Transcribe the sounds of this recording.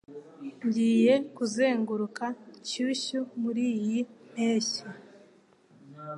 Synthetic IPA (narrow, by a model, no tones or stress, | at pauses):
ɲɟiːje̞kuze̞ːŋɡuɾukacuɕumuɾiːjimeːɕi